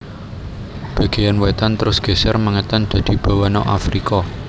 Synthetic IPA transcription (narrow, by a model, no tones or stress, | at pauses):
b̥a̤ɡ̥e̤janwɛt̪ant̪əɾʊsɡ̥e̤sɛrmaŋət̪and̪̥ä̤d̪̥i̤b̥a̤wanɔʔa̰fɾikɔ